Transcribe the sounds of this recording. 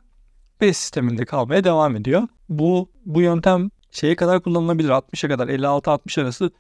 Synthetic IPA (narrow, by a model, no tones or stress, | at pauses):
bɛsi̥st̪ʰe̞mind̪ʲɛkʰalˠmajad̪e̞vaːme̞d̪ijo | bu | bujønt̪ʰæm | ʃe̞jɛkad̪aɾkʰulˠːanɯlˠabilʲiɾat̪̚mɯʃjakad̪aɾɛlʲːialˠt̪ʰɯalt̪̚mɯʃaɾasɯ